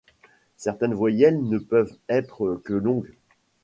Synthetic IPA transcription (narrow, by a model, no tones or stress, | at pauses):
sɛʁt̪ɛnvwajɛlnəpœvɛt̪χəkəlɔ̃ɡ